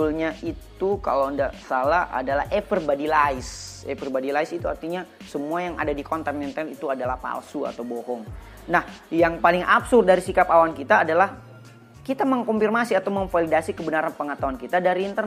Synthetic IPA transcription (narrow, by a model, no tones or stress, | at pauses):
ulɲaʔit̪uka̰lowandaʔsalaa̰dalahʔepərbadilaɪsḛprbadilaɪsit̪ua̰rt̪iɲa | səmuajaŋa̰dadikɔnt̪ɛnɛnt̪ɛnit̪uadalahpa̰lsua̰t̪awboɦɔŋ | nahjaŋpalɪŋapsʊrd̪̚daɾisikapawankit̪aːdalah | kit̪aməŋkɔmfirmasiat̪awməŋfalidasikəbənaɾanpəŋat̪awankit̪adaɾiːnt̪ər